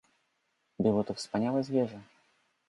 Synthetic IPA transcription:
bɨlɔt̪ɔfspanʲalɐzʲvʲɛʐɐ

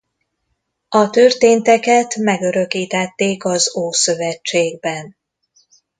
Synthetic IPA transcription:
ɒt̪ørt̪eːnt̪ɛkɛt̪mɛɡø̞ɾø̞kiːt̪ɛt̪ːeːkɒzoːsø̞vɛt͡ʃːeːɡbɛn

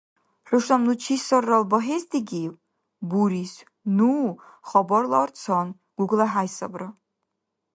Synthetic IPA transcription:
rʷɨʂamnut͡ʃʰisɔrːalbɔɦezd̪iɡʲi | buɾis | nu | χɔbɔrlɐrt͡sʰɔn | ɡ̥ʷuɡlaħajsɐbrɐ

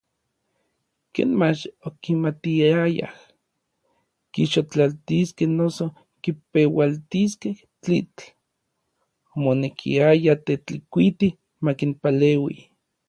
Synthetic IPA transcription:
kḛːnmat͡ʃokimat̪iaja̰h | kiʃot͡ɬalt̪iskehnoso | kipewalt̪iskeh | t͡ɬḭt͡ɬ | monekʰḭajat̪et͡ɬikʷit̪i | makinpalewi

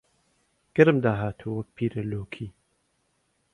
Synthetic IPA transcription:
ɡ̥ɐɾɨmd̪aːɦaːt̪ʰuwɐk̚pʰiːɾɐloːkʰiː

